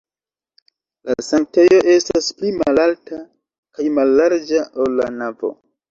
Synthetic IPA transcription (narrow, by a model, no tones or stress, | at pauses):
lasaŋte̞jo̞ʔe̞stasplimalalta | kajmalːaɾd͡ʒaʔolːanavo̞̰